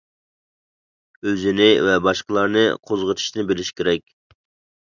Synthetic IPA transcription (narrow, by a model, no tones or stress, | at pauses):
øzɪnɪvɛbɑʃqəlˠɑɾnɨqʰozʁət̪ʰi̥ʃnɪbɪlɪʃkʲʰeɾɛkʲ